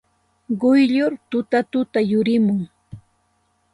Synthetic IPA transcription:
ɢʊjʎʊɾt̪ʊt̪at̪ʊt̪ajʊɾɪmʊŋ

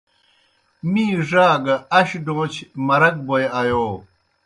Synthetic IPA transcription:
miːʐaːɡɐɐɕɖõːt͡ɕʰmɐɾɐk̚bojajoː

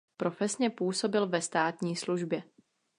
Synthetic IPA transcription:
pɾo̞fɛsɲɛpuːso̞bɪlvɛst̪aːt̪ɲiːsluʒbjɛ

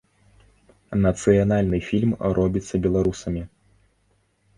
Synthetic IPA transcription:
nɐt̪sɨjanalʲnɨfʲilʲmrʔɔbʲit̪sːɐbʲɛlˠaɾusɐmʲi

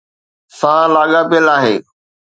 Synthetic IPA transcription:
sãːlaːɠapiəlaːɦeː

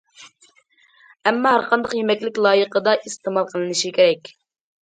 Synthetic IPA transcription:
ɛmːɑɦæɾqɑnd̪əqjemɛkʲlɪkʲlˠɑːjəqəd̪ɑʔist̪emɑlˠqʰəlˠɨnɨʃikʲʰeɾɛkʲ

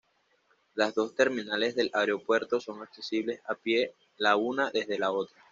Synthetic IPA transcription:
lazðo̞st̪e̞ɾmĩnale̞zðe̞lʔaɾeo̞pwe̞ɾt̪o̞so̞ŋakse̞siβle̞sapje̞ | launaðe̞zðe̞lao̞t̪ɾa

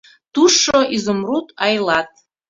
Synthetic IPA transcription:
t̪uʃoʔizomrut̪ɑjlˠɑt̪̚

